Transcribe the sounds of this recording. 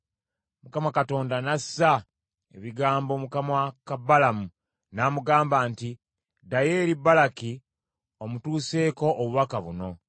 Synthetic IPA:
mukamakato̞ːndanasa | ḛβiɡaːmbo̞mukamakabalamu | naːmuɡaːmbaːnti | daje̞ːɾibalaki | omutuːse̞ːko̞ʔːβuβakaβuno̞

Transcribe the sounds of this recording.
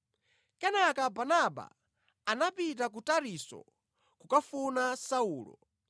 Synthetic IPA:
kɛnakabanaɓa̰ | anapit̬ak̬utaɾisɔ̰ | kukafunasauːlɔ̰

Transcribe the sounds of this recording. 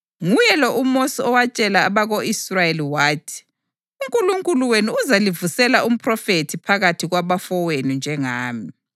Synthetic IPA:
ŋujɛlɔʔumosiɔwat͡ʃʼɛlaːβaɣoisrajeliwaːtʰi̥ | uŋkʼuluŋkʼuluwenuuzalivusɛlaʔum̩pʰʼrɔfetʰipʰaɣatʰiɣwaβafɔwenund͡ʒʱɛŋaːmi

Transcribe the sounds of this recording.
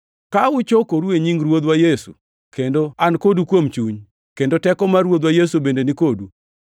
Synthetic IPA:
kaʊt͡ʃokoɾueɲiŋɾwod̪wajesṵ | kendoankodukwomt͡ʃuɲ | kendotɛkɔmaɾwod̪wajesubendenikodu

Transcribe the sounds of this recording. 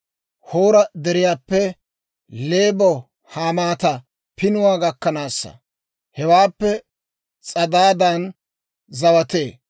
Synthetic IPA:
hoːɾɐd̪ɛɾɪjaːpːɛ | le̞ːbɔ | haːmaːt̪ɐ | pɪnʊwaːɡɐkːɐnaːsːɐ̰ | hɛwaːpːɛ | t͡sʼɐd̪aːd̪ɐn | zɐwɐt̪e̞ː

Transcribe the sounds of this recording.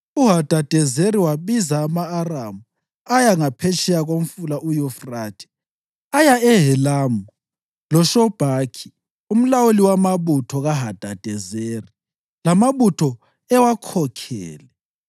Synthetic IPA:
uɦad̥ʱad̥ʱɛzeɾiwaβizaːmaːramu | ajaŋapʰɛt͡ʃʰʼɛjaɣom̩fulaʔujɔfraːtʰɛ̥ | ajaɛɦɛlamuu | lɔʃɔb̥ʱakʰi̥ | um̩lawuliwamaβutʰɔɣaɦad̥ʱad̥ʱɛzeri | lamaβutʰɔ | ɛwakʰɔkʰɛ̰ːlɛ

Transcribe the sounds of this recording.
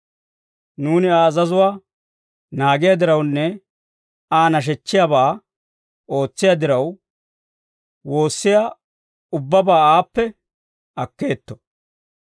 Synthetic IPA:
nuːnɪaːɐzɐzʊwaː | naːɡɪjad̪ɪɾɐwnːɛ | aːnɐʃ̬ɛt͡ʃːɪjabaː | o̞ːt͡sːɪjad̪ɪɾɐw | wo̞ːsːɪja | ʊbːɐbaːaːpːɛ | ɐkːeːt̪ːɔ̥

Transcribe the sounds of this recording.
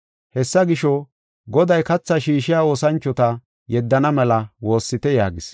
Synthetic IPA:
hɛsːɐɡɪʃɔ | ɡɔd̪ɐjkɐt͡sːɐʃiːʃɪjaːo̞ːsɐnt͡ʃːɔt̪ɐ | jɛd̪ːɐnɐmɛlɐwo̞ːsːɪt̪ɛjaːɡɪs

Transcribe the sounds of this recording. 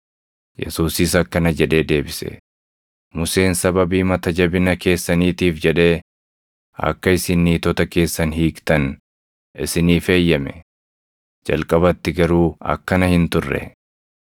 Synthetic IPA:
jɛ̰suːsɪsɐkːɐnɐd͡ʒɛᶑe̞ːd̪e̞ːbɪsɛ̰ | mʊse̞ːnsɐbɐbiːmɐt̪ɐd͡ʒɐbɪnɐke̞ːsːɐniːt̪iːfd͡ʒɛᶑe̞ː | ɐ̰kːɐɪsɪnːiːt̪ɔt̪ɐke̞ːsːɐnɦiːkt̪ɐn | ʔɪsɪniːfe̞ːjːɐmɛ | d͡ʒɐ̰lkʼɐbɐt̪ːɪɡɐɾuːɐ̰kːɐnɐhɪnt̪ʊrːɛ̰

